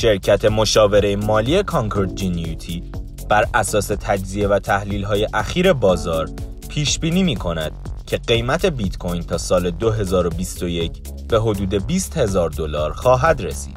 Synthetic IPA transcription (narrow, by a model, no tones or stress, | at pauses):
ʃe̞ɾcʰæt̪ʰe̞mo̞ʃɒːve̞ɾejemɒːliːe̞kʰɒŋkʰoɾt̪̚ʰd͡ʒinut̪ʰiː | b̥æɾæsɒːse̞t̪ʰæd͡ʒzie̞væt̪ʰæhliːlɦɒːje̞ʔæxiːɾe̞bɒːzɒːɾ | pʰiːʃbiːniːmiːkʰo̞næd̪̥cʰe̞ɢejmæt̪ʰe̞bit̪kʰo̞jnt̪ʰɒːsɒːle̞d̪oɦe̞zɒːɾo̞bist̪o̞je̞cʰ | b̥e̞ɦo̞d̪uːd̪e̞biːst̪he̞zɒːɾd̪o̞lɒːɾxɒːɦæd̪ɾe̞sḭːd̪̥